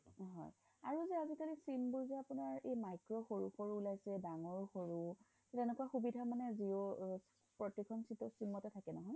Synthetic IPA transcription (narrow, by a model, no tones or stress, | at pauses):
ɦɔ̰j | a̰ɹuzɛazikalisimboɹzɛapunaɹejmajkɹɔxoɹuxoɹuːlajsɛdaŋɔɹxoɹu | tɛnɛkuwaxubidʱamanɛzio | pɹɔtikʰɔnsitɔsimɔtɛtʰakɛnɔɦɔj